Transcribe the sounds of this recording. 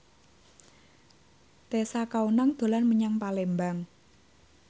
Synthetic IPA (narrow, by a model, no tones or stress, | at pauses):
t̪esakaunaŋd̪̥o̤lanməɲaŋpalembaŋ